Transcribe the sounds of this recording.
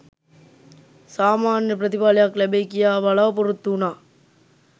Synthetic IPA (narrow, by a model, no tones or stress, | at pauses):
saːmaːnjɐpɪɾɐðɪbaːlɐjaːklɐbeːkɪjaːʋɐɭaːpɔɾɯt̪ːuːnaː